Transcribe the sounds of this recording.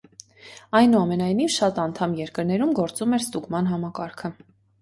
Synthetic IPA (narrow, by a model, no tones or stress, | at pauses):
ɑjnuɑmɛnɑjn̪ivʃɑt̪ɑnt̪ʰɑmjɛɾkəɾnɛɾumɡɔɾt͡sumɛɾst̪uɡmɑnɦɑmɑkɑɾkʰə